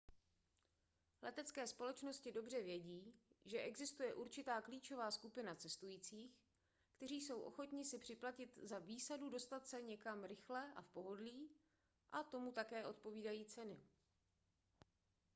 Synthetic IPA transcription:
lɛt̪ɛt͡skɛːspo̞lɛt͡ʃno̞scɪdo̞br̝ɛvjɛɟiːʒɛʔɛɡzɪst̪ujɛʔuɾt͡ʃɪt̪aːkliːt͡ʃo̞vaːskupɪnat͡sɛst̪ujiːt͡siːx | kt̪ɛɾ̝iːso̞wʔo̞̰xo̞t̪ɲɪsɪpr̥ɪplacɪt̪zaviːsadudo̞st̪at̪sɛɲɛkamɾɪxlɛʔa̰fpo̞ɦo̞dliː | ʔat̪o̞mut̪akɛːʔo̞t̪̚po̞viːdajiːt͡sɛnɪ

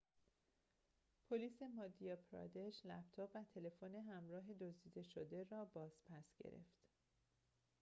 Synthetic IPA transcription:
pʰoliːse̞mɒːd̪ijɒpʰɾɒ̰d̪eʃlæ̰bt̪ʰɒːbvæt̪ʰe̞le̞foneɦæmɾɒːɦe̞d̪ozd̪iːd̪e̞ʃod̪e̞rɒːbɒːz̥pʰæsɟe̞̰ɾe̞̰ft̪

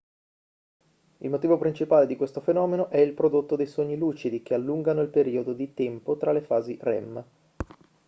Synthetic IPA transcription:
ilmot̪iːvopɾint͡ʃipaːled̪ikwest̪ofenɔːmenoʔɛilpɾod̪ot̪ːod̪ejsoɲːiluːt͡ʃid̪ikealːuŋɡanoilpeɾiːod̪od̪it̪ɛmpot̪ɾalefaːzirɛ̰mː

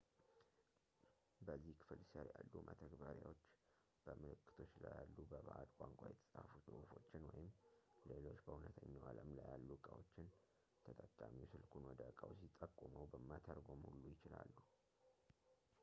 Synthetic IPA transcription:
bəzːihkʰɨ̥fɨlsəɾjalːumʔət̪ʰəɡbaɾja̰wo̞t͡ʃː | b̥əmɨlɨkːɨ̥t̪ʰo̞t͡ʃːlajalːubəβaʔad̪kʷʼaŋkʷʼajɛt̪ʰə̥sʼahfusʼɨʔufo̞t͡ʃːɪnwɔjɪmlelo̞t͡ʃːbəunət̪ʰəɲːawaləmlajalːukʼawo̞t͡ʃːɪn | t̪ʰət̪ʼəkʼːamiwsɨlkʰunwɔd̪əkʼawsit̪ʼːəkʼːuməwbəmːat̪ʰəɾɡo̞mhulːujɪt͡ʃɪlalːu

